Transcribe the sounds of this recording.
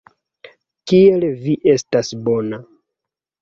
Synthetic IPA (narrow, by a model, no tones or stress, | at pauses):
kielviʔe̞stasbo̞na